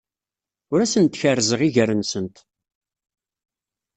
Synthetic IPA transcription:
ʊɾæsənt̪ːçərːzəʁiʝərənsənt̪

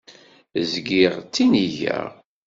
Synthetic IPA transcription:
zɡiʁt͡sːiniʝæ̰ʁ

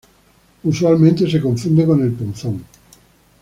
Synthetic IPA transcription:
uswalmẽnt̪es̬ekõɱfund̪ekonelpunθõŋ

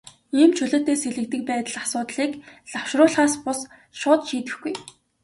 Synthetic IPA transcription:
iːmt͡ɕʰɵɮŏːt̪eːseɮɘ̆k̚t̪ɘ̆k̚pæːt̪ə̆ɮasʊːt̪ɮiːkɮawʃrʊːɮχaːspʊs | ʃʊːt̪ʃiːt̪ɘ̆xɡuj

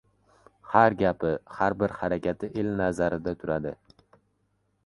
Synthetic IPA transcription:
haɾɡʲapɪhaɾbɪɾhaɾakʲʰat̪ʰɪʔelnazaɾɪd̪at̪ʰʊɾad̪ɪ̰

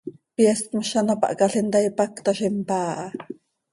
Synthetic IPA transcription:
pjɛst̪məʃɑnapɑ̰ʔkɑɬent̪ɑjpakt̪ɑʃempaːʔɑ

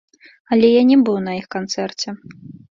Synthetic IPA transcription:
ɐlʲɛjanʲɛbɨwnɐjixkant̪sɛrt͡sʲɛ

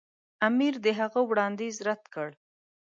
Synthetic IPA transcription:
amiɾd̪əɦaɣəwɽɑnd̪izɾad̪kəɽ

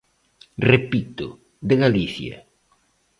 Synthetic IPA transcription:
repit̪ʊ | d̪eɣaliθjɐ̰

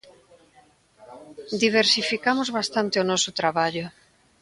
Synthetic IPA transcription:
d̪iβ̞eɾsifikamozβast̪ant̪eonɔsot̪ɾaβaʎʊ

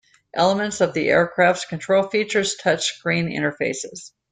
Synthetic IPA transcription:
ʔɛ̰lˠəmə̃ntsʌvðiʔɛ̰ɹkʰɹ̥æftskʰɨ̃ntʰɹ̥oʊlˠfit͡ʃə˞z̥tʰʌt͡ʃɡ̥ɹĩnɪ̰̃ɾ̃ə˞feɪsɪz̥

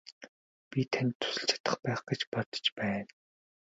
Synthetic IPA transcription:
pʲit̪ʰan̆ʲt̪ʰːʊ̥sɵ̆ɬt͡ɕʰḁt̪ə̆χpæːχɡet͡ɕpɔt̪ɞ̥̆t͡ɕpæːn

